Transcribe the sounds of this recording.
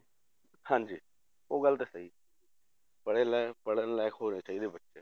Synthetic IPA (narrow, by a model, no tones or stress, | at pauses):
hãːɲd͡ʒiː | oːɡəlt̪esəiː | pəɽeːlɛːpəɽənlɛːɪkʰɦoːneːt͡ʃaːiːd̪eːbətːʃeː